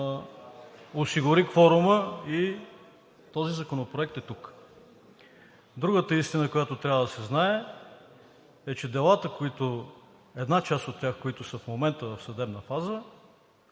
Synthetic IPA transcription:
osiɡʊɾixfɔɾʊməi | t̪ɔzizɐkonopɾoɛkt̪ɛt̪uk | d̪ɾuɡət̪əist̪inəkojat̪ʊt̪ɾʲavəd̪ɐsɛznaɛ | ɛt͡ʃɛd̪ɛlˠat̪əkoit̪ʊ | ɛd̪nat͡ʃast̪ot̪ːʲaxkoit̪ʊsəfmomɛnt̪əvɐfsɐd̪ɛbnəfazə

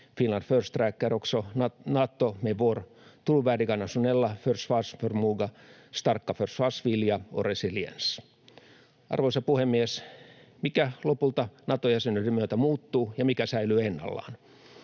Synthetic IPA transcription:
finlɑnd̥̪først̪rækːæroksonɑt̪ːomeʋor | t̪uluʋæːdiɡɑnɑsunelːɑførsfɑsførmuɡɑst̪ɑrkːɑførsfɑsʋiljɑoresiliḛns | ɑ̰rʋoisɑpuhemːiesmikælopult̪ɑnɑt̪ojæsenyidemyøt̪æmuːt̪ːuːjɑmikæsæilyːenːɑ̰lːɑ̰ːn

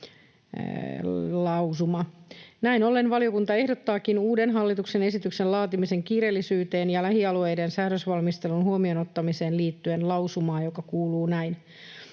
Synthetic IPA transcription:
lɑusumɑnæinolːenʋɑlio̞kunt̪ɑe̞hdot̪ːɑːkinuːdenɦɑlːit̪uksene̞sit̪yksellɑːt̪imise̞ŋkiːɾelːisyːt̪eːnjɑlæhiɑlue̞jdensæːɾøsʋɑlmist̪elunhuomionot̪ːɑmiseːnliːt̪ːyenlɑwsumɑːjokɑkuːluːnæin

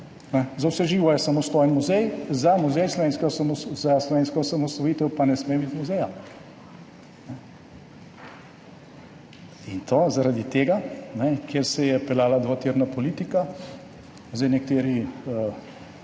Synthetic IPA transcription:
nɛzawsɛʒiːʋɔjɛsamɔst̪oːjənmuzɛjzamuzɛjslɔʋeːnskɛsmzaslɔʋeːnskɔsamɔst̪ɔjiːt̪ɛwpanɛsmebit̪muzɛja | nɛ | int̪ʰozaɾad̪it̪eːɡanɛkjeːɾsɛjɛpɛlaːlad̪ʋat̪iːɾnapɔliːt̪ika | zd̪ɛjnɛkt̪eːɾiə

